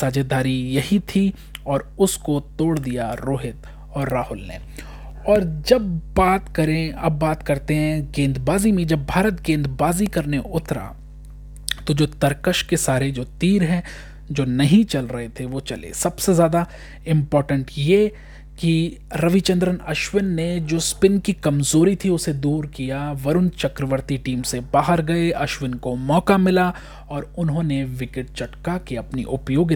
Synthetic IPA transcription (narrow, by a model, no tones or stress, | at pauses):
saːd͡ʒed̪aːɾijɐɦit̪ʰi | ɔːɾʊskot̪oːɽd̪ijaɾoːɦɪt̪ | ɔːɾːaːɦʊlnḛ̃ː | ɔːɾd͡ʒɐbbaːt̪kɐɾẽɐbːaːt̪kɐɾt̪eɦɛ̃ɡẽːnd̪baːzimẽd͡ʒɐbːʱaːɾət̪̚ɡẽːnd̪baːzikɐɾneʔʊt̪ɾa̰ | t̪od͡ʒoːt̪ɐɾkəʃkesaːɾed͡ʒoːt̪iːɾɦɛ̃ | d͡ʒoːnɐɦĩt͡ʃɐlɾɐɦet̪ʰeʋot͡ʃɐlḛːsɐbsezjaːd̪a | ɪ̃mpɔːɾʈə̃ɳʈjeː | kiɾɐʋit͡ʃɐ̃nd̪ɾənɐʃʋɪnːed͡ʒoːspɪnkikɐmzoːɾit̪ʰiʊsed̪uːɾkijaʋɐɾʊnt͡ʃɐkɾəʋəɾt̪iʈiːmsebaːɦəɾɡɐeʔɐʃʋɪnkomɔːkamɪla | ɔːɾʊnɦõːneʋɪkɪʈ̚t͡ʃɐʈkakeɐpnḭʔʊpjoːɡ